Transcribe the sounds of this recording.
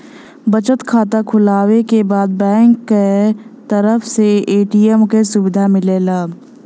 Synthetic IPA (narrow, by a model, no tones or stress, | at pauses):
bət͡ʃət̪kʰaːt̪akʰʊlaːwekebaːd̪̚bɛ̃ːŋkːet̪əɾəfseeːʈiːɛmkesʊbɪd̪ʱamɪleːlaː